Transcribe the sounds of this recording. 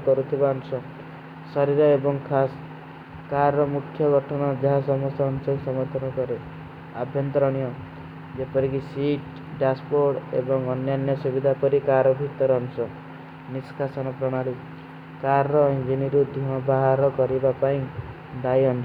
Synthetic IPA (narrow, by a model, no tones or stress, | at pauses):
kɔɾut̪ʰibaɔnusɔ | sɔɾiɾɔebɔŋkʰas | kaɾɾɔmukʰjɔɡɔʈʰɔɽ̃ɔd͡ʒaɦasɔmɔst̪jɔːnsɔkusɔmɔɾt̪ʰɔnɔkɔɾe | a̰bʱjɔnt̪ɾɔɽ̃ijɔ | d͡ʒepɔɾikisiʈ | ɖaspoɾɽḛbɔŋɔnjanjɔsubid̪ʱapɔɾikaɾɔbʱit̪ɔɾɔnusɔ | niskʰasɔnɔpɾɔɽ̃ali | kaɾɾɔind͡ʒiniɾud̪ʱuɔ̃baɦaɾɔkɔɾibapaĩ | d̪aiɔnu